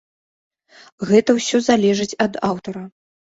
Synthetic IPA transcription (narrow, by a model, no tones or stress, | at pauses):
ɣɛt̪ɐwsʲɔzalʲɛʐɨt͡sʲɐd̪awt̪ɐɾɐ